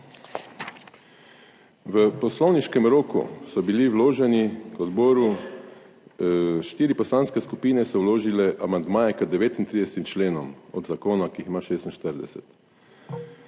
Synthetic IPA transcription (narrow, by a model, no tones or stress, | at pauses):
ʋəpɔslɔwniʃkɛmɾoːkṵsɔbiliwloːʒɛnikɔd̪bɔːɾu | ʃt̪iːɾipɔslaːnskɛskupiːnɛsɔwloːʒilɛʔamand̪maːjɛkəd̪ɛʋeːt̪int̪ɾiːd̪ɛst̪ʲimt͡ʃleːnɔmɔ̰d̪zakoːnakiːximaːʃeːst̪inʃt̪əɾd̪ɛsɛt̪